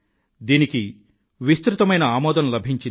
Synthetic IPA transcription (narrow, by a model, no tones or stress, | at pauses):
d̪iːniki | ʋist̪ɾut̪ɐmɐjnɐaːmɔːd̪ɐnlɐbʱiɲt͡ʃi